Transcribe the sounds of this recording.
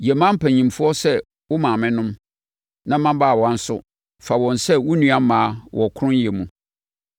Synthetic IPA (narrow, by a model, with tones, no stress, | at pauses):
jɛ˨mã˦m̩˦pʰæ̃˨ɲĩ˨mfʊ˦ɔ˦sɛ˦ | wʊ˦mã˨mɪ̃˦nʊ̃˦m | nã˦mã˦ba˦˨wɔ̃˨a˦n̩˦sʊ̰˦ | fa˨wɔ̃˨nsɛ˦wʊ˦nũ˦a˦mãː˨˦wʔɔ˨kʰʊ˦ʊ̃˦n˦ɛ˨mũ˨